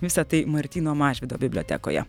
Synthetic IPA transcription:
ʋʲɪsɐt̪ɐɪmɐɾʲt̪ʲiːnoːmɑːʒʲʋʲɪd̪o̰ːbʲɪbʲlʲoːt̪ʲɛ̰ːko̰ːjɛ̰

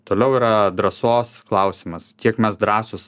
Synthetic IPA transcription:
t̪oːlʲɛʊiːɾɐd̪ɾɐsoːsklˠɐʊsʲɪmɐskʲiɛkmʲɛsd̪ɾɑːsʊs

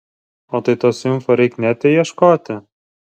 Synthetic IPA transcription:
oːt̪ɐɪt̪oːsʲɪmfoɾʲɛɪknʲæːt̪ʲɛjiɛʃkoːt̪ʲɪ

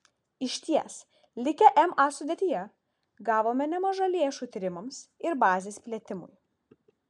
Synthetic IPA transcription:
ɪʃʲt̪ʲiɛs | lʲɪkʲɛʔɛmʔɑsʊd̪ʲiɛt̪ʲijɛ | ɡɑːʋoːmʲɛnʲɛmɐʒɐlʲeɛʃuːt̪ʲɪɾʲɪmɐmsɪɾbɑːzʲeːspʲlʲiɛt̪ʲɪmʊ̰j

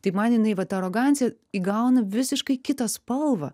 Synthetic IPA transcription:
t̪ɐɪmɐnjɪnɐɪʋɐt̪ɐɾoːɡɑnʲt͡ssʲɪjɛ | iːɡɐʊnɐʋʲɪsʲɪʃkɐɪkʲɪt̪ɐspɐlˠʋɐ

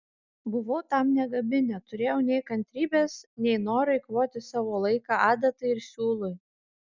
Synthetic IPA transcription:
bʊʋɐʊt̪ɑˑmnʲɛɡɐbʲɪnʲɛt̪ʊɾʲeːjɛʊnʲɛɪkɐnʲt̪ʲɾʲiːbʲeːsnʲɛɪnoːɾɐɪkʋoːt̪ʲɪsɑːʋoːlˠɐɪkɑːɑːd̪ɐt̪ɐɪɪɾsʲuːlˠʊj

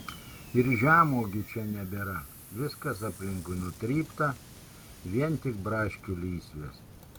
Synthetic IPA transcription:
ɪɾʒʲæːmoːɡʲɪt͡ʃʲɛnʲɛbʲɛɾɐ | ʋʲɪskɐsɐpʲlʲɪŋkʊɪnʊt̪ʲɾʲiːpt̪ɐ | ʋʲiɛnt̪ʲɪk̚bɾɑːʃʲkʲʊlʲiːsʲʋʲḛːs

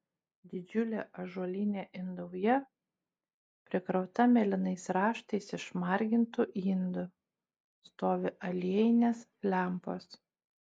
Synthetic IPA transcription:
d̪ʲɪd͡ʒʲʊlʲeːʔɐʒuɔlʲɪnʲeːʔɪnd̪ɐʊjɛ | pʲɾʲɪkɾɒʊt̪ɐmʲɛlʲɪnɐɪsɾɑːʃt̪ɐɪsɪʃmɑɾʲɡʲɪnt̪ʊʔiːnd̪ʊ | st̪oːʋʲɪʔɐlʲiɛjɪnʲeːs | lʲæˑmpoːs

